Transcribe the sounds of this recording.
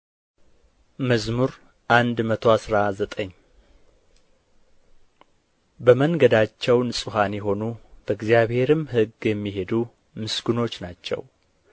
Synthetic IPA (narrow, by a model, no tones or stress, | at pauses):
məzmuɾ | ʔand̪mət̪ʰo̞asɾazət̪ʼəɲː | bəməŋɡəd̪at͡ʃːɛwnɨsʼɨɦanjɛɦo̞nub̥əɨɡzjaβhe̞ɾɨmhɨɡjɛmːiɦe̞d̪u | mɨsɡɨno̞t͡ʃːnat͡ʃːɛ̰w